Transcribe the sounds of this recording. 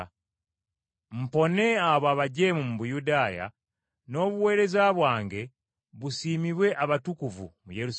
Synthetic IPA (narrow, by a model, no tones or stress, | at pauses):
m̩po̞ne̞aβoaβaɟe̞mumuβujudaːja̰ | no̞ːβuwe̞ːɾe̞zaβwaːŋɡe̞ | βusiːmiβwe̞ʔaβatukuvṵmujeɾus